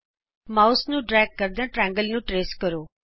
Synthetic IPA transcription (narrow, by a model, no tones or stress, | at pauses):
maːʊsnũːɖɾɛːɡ̚kəɾd̪ãːʈɾɛ̃ːŋɡəlnũːʈɾeːskəɾoː